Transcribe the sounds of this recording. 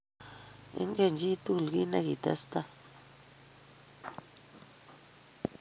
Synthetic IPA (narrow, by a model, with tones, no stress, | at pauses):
ḛ˦ŋɡe˦˨nd͡ʒi˦t̪u˦˨lɡi˦nã˦ɣi˨t̪ḛ˦st̪a˦